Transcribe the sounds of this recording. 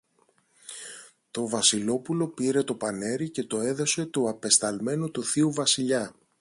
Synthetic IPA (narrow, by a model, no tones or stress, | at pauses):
t̪o̞vɐsilo̞pulo̞piɾe̞t̪o̞pɐne̞ɾice̞t̪o̞e̞ðo̞se̞t̪uɐpe̞st̪ɐlme̞nut̪uθiuvɐsiʎɐ